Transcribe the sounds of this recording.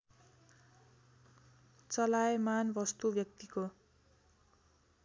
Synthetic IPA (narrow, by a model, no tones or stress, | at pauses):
t͡sʌlaemanbʌst̪ubjʌk̚t̪iko